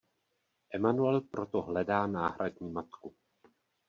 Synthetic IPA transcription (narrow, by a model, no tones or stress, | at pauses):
ʔɛmanuɛlpɾot̪oɦlɛdaːnaːɦɾʔadɲiːmat̪ku